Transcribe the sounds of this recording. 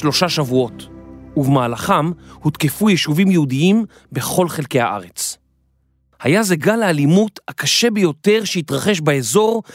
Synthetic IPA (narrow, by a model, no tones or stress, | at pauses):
lo̞ʃaʃavuo̞tuvemaːlaχamhutkefujɛʃuvimjeudiim | be̞χo̞lχe̞lke̞ha̰ʔa̰ʁe̞t͡s | hajazeɡalaːlimuthakaʃe̞bejo̞te̞ʁʃeitʁaχe̞ʃbaezo̞ʁ